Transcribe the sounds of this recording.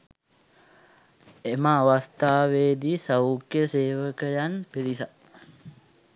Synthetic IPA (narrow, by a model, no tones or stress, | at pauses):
emaːʋast̪aːʋeːd̪isawukjəseːʋəkəjanpiɾisa